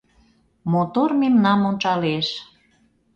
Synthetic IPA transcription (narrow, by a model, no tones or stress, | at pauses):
mot̪ormemnɑmont͡ʃɑleʃ